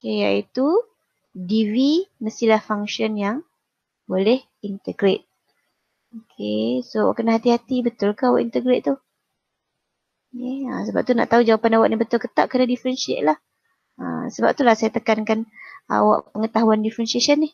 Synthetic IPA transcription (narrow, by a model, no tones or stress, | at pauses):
okeja̰it̪u | diviməsilahfaŋʃɔnjaŋ | bolɛh | int̪əɡɾet̪̚ | okʰesowa̰ʔkənaɦat̪ihat̪ibət̪ʊlkəawa̰ʔint̪əɡɾeʔ̪̚t̪u | keə̰səba̰p̚t̪una̰ʔt̪aud͡ʒawapanawaʔnibət̪ʊlkət̪a̰ʔkənadifəɾɛnʃḛʔlah | ə̰səba̰p̚t̪ulahsajat̪əkankana̰wa̰ʔpəŋət̪aɦuandifɾɛnsiaʃənːɪh